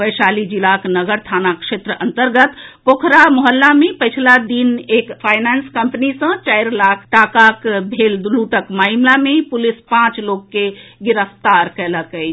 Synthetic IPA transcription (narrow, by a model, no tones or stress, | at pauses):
bəjsalid͡ʒilaknəɡəɾt̪ʰanakʃet̪ɾəʔənt̪əɾɡət̪pokʰɾamɔɦəlːamepəɪt͡ʃʰlad̪inekpʰajnanskəmpənisə̃t͡ʃajɾlakʰʈakakbʱelluʈəkmaimlamepulispãt͡ʃlokːeɡiɾəst̪aɾkələkəjt͡ʃʰ